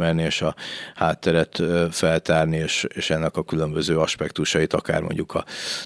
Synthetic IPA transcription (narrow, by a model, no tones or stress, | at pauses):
mɛlnieːʃɒhaːt̪ːɛɾɛt̪ːfɛlt̪aːrnieːʃeːʃɛnːɛkɒkylø̞mbøzøːɒʃpɛkt̪uʃɒit̪ɒka̰ːrmo̰ɲɟukʰɒ̰